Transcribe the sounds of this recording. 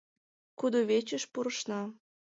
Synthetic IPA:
kud̪oβet͡ɕə̆ʃpuɾə̆ʃnɑ

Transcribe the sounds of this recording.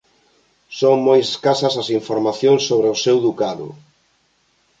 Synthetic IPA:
soŋmojseskasɐsɐsiɱfoɾmaθjoŋsːoβɾeosewðukaðʊ̰

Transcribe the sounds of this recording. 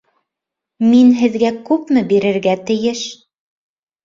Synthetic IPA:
minɦɘ̆ðɡækʉpmɘbiɾɘ̆ɾɡæt̪ɘ̆jɘʃ

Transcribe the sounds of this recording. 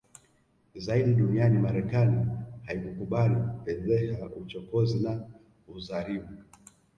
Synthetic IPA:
zaiɗiɗunianimaɾɛkanihaikukuɓalikupɛzɛhaut͡ʃɔkɔzina | uzaɾimu

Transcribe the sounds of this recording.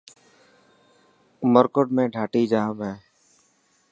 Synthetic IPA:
məɾkəʈmẽːɖʱaːʈiːd͡ʒaːɦəmɦɛː

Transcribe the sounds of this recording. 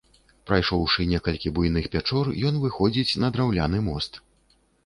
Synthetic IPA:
pɾajʂɔwʂɨnʲɛkɐlʲkʲibujnɨxpʲat͡ʂɔrjɔnvɨxɔd͡zʲit͡sʲnɐd̪ɾawlʲanɨmɔst̪

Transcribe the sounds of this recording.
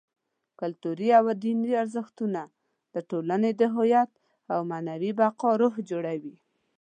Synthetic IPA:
kʊlt̪uɾiawad̪iniaɾzəxt̪una | d̪̥əʈolaned̪əɦʊjat̪̚ | awmanawibaqɑɾoɦd͡ʒoɽawi

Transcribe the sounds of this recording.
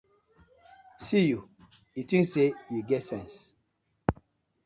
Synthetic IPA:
siju | itĩnsejuɡɛtsɛ̃ns

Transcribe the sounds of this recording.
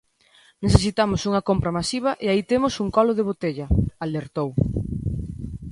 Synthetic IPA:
neθes̬it̪amʊsuŋɐkompɾɐmasiβ̞ɐʔeait̪emʊsuŋkɔloðeβ̞ot̪eʎɐaleɾt̪ow

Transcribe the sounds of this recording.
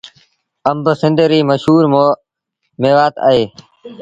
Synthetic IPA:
əmbəsɪ̃nd̪ʱɾiːməʃɦuːɾm | meːʋaːt̪ə̰ːɦeː

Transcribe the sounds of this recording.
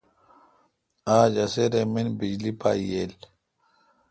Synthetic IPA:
aːd͡ʑɐseɾeminbid͡ʑlipa̰ːjeːl

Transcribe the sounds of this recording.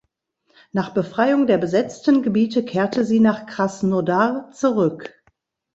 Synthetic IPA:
naːχb̥əfʁ̥aɪʊŋdeːɐbəzɛt͡stn̩ɡəbiːtəkʰeːɐtʰəziːnaːχkʁ̥asnodat͡suʁʏk

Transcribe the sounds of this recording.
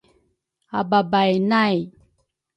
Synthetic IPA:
ababajnaj

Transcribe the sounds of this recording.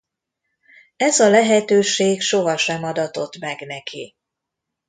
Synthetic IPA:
ɛzɒlɛɦɛt̪øːʃeːɡʃo̞ɦɒʃɛmɒd̪ɒt̪o̞t̪mɛɡnɛki

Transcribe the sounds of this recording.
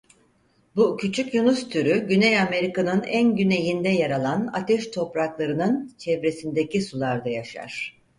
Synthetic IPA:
bucʰyt͡ʃʰycjunust̪ʰyɾyɟynɛjame̞ɾikanɯnænɟyne̞jind̪ɛjaɾalˠana̰t̪ʰɛʃt̪ʰo̞pɾaklˠaɾɯnɯnt͡ʃʰɛvɾe̞sind̪ecisulˠaɾd̪ajaʃa̰ɾ̥

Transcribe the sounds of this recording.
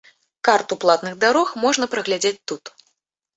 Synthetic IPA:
kart̪uplˠat̪nɨɣd̪aɾɔxmɔʐnɐpɾɐɣlʲad͡zʲet͡sʲt̪ut̪

